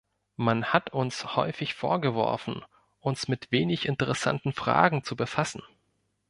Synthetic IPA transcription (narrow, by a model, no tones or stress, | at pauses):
manhatʊnshɔʏfɪçfo̰ːɐɡəvɔ̰ɐfn̩ | ʔʊnsmɪtv̥eːnɪçɪntəʁɛsa̰ntn̩fʁ̥a̰ːɡŋ̩t͡subəfasn̩